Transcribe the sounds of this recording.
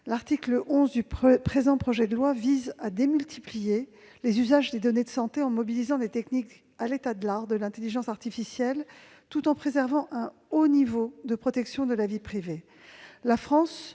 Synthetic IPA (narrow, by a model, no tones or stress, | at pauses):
laʁt̪ikləʔɔ̃zd̪yppχezɑ̃pχɔʒɛd̪əlwavizad̪emylt̪ʰiplije | lezyzaʒd̪ed̪ɔned̪əsɑ̃t̪eɑ̃mɔbilizɑ̃d̪et̪ɛknik | alet̪ad̪əlaʁd̪əlɛ̃t̪eliʒɑ̃saʁt̪ifisjɛl | t̪ut̪ɑ̃pχezɛʁvɑ̃ʔɛ̃ | onivod̪əpχɔt̪ɛksjɔ̃d̪əlavipχive | lafχɑ̃s